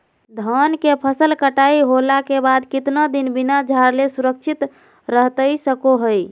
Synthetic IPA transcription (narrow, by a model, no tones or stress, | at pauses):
d̪ʱənkepʰəsəlkəʈaiɦolakebad̪kit̪nad̪inbinad͡ʒʱaɾlesuɾək̚t͡ʃʰit̪ | ɾəɦt̪əjsəkoɦəj